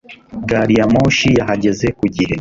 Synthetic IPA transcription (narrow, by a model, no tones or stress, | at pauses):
ɡaɾijamoːʃijaɦaɟe̞zekuɟihe̞